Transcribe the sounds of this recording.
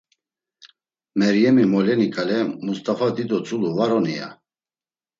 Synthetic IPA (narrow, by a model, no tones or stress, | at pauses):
mɛɾjɛmimɔlɛnikʼalɛmust̪ʼafad̪id̪ɔt͡sʼuluvaɾɔnia̰